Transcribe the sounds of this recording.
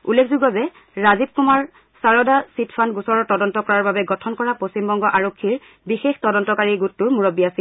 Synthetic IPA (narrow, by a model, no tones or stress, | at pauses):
ulːekʰzuɡɔzɛ | ɹazib̚kumaɹ | saɹɔdasitʰfʰanɡusɔɹɔtɔdɔntɔkɔɹaɹbabɛɡɔtʰɔnkɔɹapost͡ɕimbɔŋɡɔʔaɹokʰːiɹ | bixextɔdɔntɔkaɹiɡutːʊɹmuɹobiasil